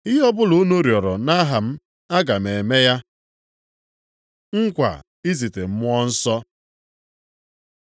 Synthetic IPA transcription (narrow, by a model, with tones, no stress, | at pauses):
ɪ˦ɦɔ˦bʊ˦lo˦no˦ɾjɔ˨ɾɔ˨na˦ɦa˨m̩˦ | a˦ɡa˨me˨e˨me˦ja˦ | ŋ̩˦kʷa̰˨ | i˦zi˨te˨m̩˦mʊ˦ɔ˦n̩˦sɔ˦